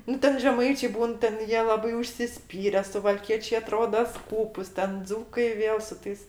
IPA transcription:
ˈnʊ ˈtʲɛn ʒʲɛˈmɐɪt͡ʃʲeː ˈbuːn tʲɛn ˈjiɛ ˈlˠɑːbɐɪ ʊʃʲsʲɪˈsʲpʲiːrʲɛ sʊʋɐlʲˈkʲiɛt͡ʃʲeː ɐˈtroːdɐ ˈskuːpʊs ˈtʲɛn ˈd͡zuːkɐɪ ˈʋʲeːlˠ sʊ ˈtɐɪs

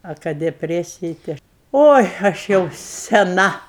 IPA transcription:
ɐ ˈkɐ dʲɛˈpʲrʲæːsʲɪjɪ tɐɪ ˈɐʃ ˈoːɪ ɐʃ ˈjɛʊ sʲɛˈnɐ

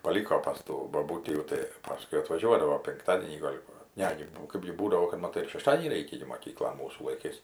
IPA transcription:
pɐˈlʲiːkoː pɐs ˈtuː boːˈbuːtʲiː jɛʊ tɐɪ ˈpɑːskʊɪ ɐtʋɐˈʒʲuɔdɐʋoː pʲɪŋkˈtɑːdʲiɛnʲiː ɡɐlʲ ˈʋɐ ˈnʲɛ ɡʲɪ ˈkɜbʲɡʲɪ ˈbuːdɐʋoː kɐt mɐˈtɐɪ ɪr ʃʲɛˈʃtɑːdʲiɛnʲiː ˈrʲɛɪkʲɛ ɡʲɪ moːˈkʲiːklˠoːn ˈmuːsuː lˠɐɪˈkɐɪs

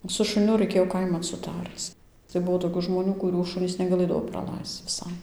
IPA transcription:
sʊ ʃʊˈnʲʊ rɐɪˈkʲeːjoː ˈkɐɪmɐn sʊˈtɐrt͡s tɐɪ ˈbʊʋoː toːˈkʲuː ʒmoːˈnʲuː kʊˈrʲuː ˈʃʊnʲiːs nʲɛɡɐˈlˠɘdɐʋoː prɐˈlˠɐɪst͡s ʋʲɪˈsɐɪ

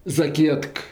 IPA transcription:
zɐˈkʲiɛtk

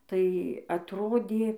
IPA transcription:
ˈtɐɪ ɐtˈroːdʲeː

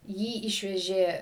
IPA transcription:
ˈjiː ˈɪʃʲʋʲɛʒʲeː

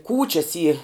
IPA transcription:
ˈkuːt͡ʃʲɛs iː

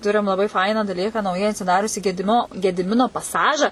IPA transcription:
ˈtʊrʲɪm lˠɐˈbɐɪ ˈfɐɪnɑː dɐˈlʲiːkɑː nɐʊˈjɛɪ ɐtʲsʲɪˈdɑːrʲʊsʲiː ɡʲɛdʲɪˈmʲɪnoː ɡʲɛdʲɪˈmʲɪnoː pɐˈsɑːʒɐ

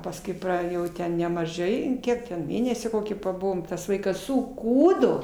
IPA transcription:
pɐsˈkʊɪ ˈprɐ jɛʊ ˈtʲɛn nʲɛmɐˈʒɐɪ ˈkʲiɛk tʲɛn ˈmʲeːnʲɛsʲiː ˈkoːkʲiː pɐˈbʊʋoːm ˈtɐs ˈʋɐɪkɐs sʊˈkuːdoː

